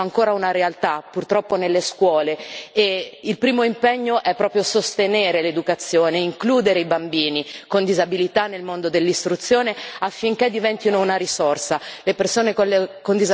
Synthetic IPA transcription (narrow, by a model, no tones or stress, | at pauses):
aŋkoːɾaunaɾealt̪apurt̪ɾɔpːonelːeskwɔːleeilpɾiːmoimpeɲːoʔɛpːɾɔːpɾjosost̪eneːɾeled̪ukat̪sːjoːneiŋkluːd̪eɾeibambiːnikond̪izabilit̪anelmond̪od̪elːist̪ɾut̪sːjoːneafːiŋk̟ed̪ːivɛnt̪inounaɾisorsalepersoːnekokond̪iz